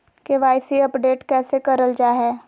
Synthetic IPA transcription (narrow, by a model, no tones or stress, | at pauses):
keʋaːɪsiɐpɖeːʈkɛːsekɐɾəld͡ʒaːɦɛː